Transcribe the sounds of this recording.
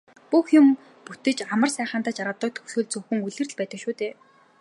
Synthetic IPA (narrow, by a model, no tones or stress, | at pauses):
puxjʊm | put̪ɘ̆t͡ɕamə̆rsæːχaːnt̪aːt͡ɕarʁə̆t̪ːɞ̆k̚t̪ʰɵ̥wsuːɮt͡sɵxɵ̆ŋuɮɘ̆rɮpæːt̪ə̆kʃuːt̪eː